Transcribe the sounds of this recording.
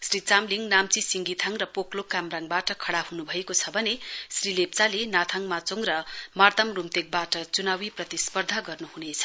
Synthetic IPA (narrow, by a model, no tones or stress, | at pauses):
srit͡samliŋnamt͡sisiŋɡit̪ʰaŋrʌpoklokːamraŋbaʈʌkʰʌɽahunubʱʌekot͡sʰʌbʱʌnesrilep̚t͡salenat̪ʰaŋmat͡soŋrʌmart̪ʌmrumt̪ek̚baʈʌt͡sunawiprʌt̪ispʌrd̪ʱaɡʌrnuhunet͡sʰʌ̥